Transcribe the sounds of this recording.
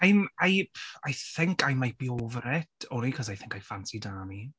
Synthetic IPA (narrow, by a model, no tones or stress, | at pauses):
ajmajajθɪŋkajmajb̥iɔvrɛtɔnikʰɔsajθɪ̃ŋkajfansidaːmi